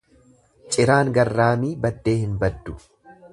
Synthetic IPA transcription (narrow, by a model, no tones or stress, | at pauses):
t͡ʃʼɪɾaːŋɡɐrːaːmiːbɐd̪ːe̞ːhɪnbɐd̪ːʊ